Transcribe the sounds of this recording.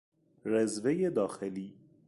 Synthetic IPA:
ɾezvejed̪ɒːxeliː

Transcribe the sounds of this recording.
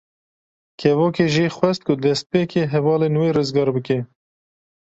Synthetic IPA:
kʰɛvoːkeːʒixʷwɛst̪̚kʊd̪ɛst̪̚peːkeːɦɛvɑːleːnweːrɨzɡɑːɾbɨke

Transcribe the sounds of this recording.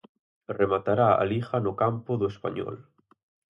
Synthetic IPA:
remat̪aɾaa̰lixanʊkampʊðʊespa̰ɲɔ̰l

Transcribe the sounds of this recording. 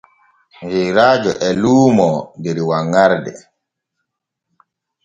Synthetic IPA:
d͡ʒɛjɾaːd͡ʒɔʔɛluːmɔndɛɾiwaŋːaɾdɛ̰

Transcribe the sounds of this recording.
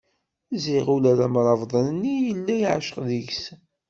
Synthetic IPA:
ziʁulælæmɾˤɑvðˤɑnənːijəlːæjiʕʃə̥qðəʝs

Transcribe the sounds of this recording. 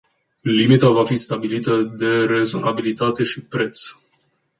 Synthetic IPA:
limit̪avafist̪abilit̪əd̪e̞ɾe̞zo̞nʔabilit̪at̪e̞ʃipɾe̞t̪s

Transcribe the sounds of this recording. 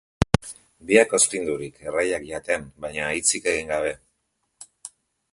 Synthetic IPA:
biakospind̪uɾikʰe̞rajakʎat̪e̞nbajɲaːjt͡sike̞ɣiŋɡaβ̞e̞

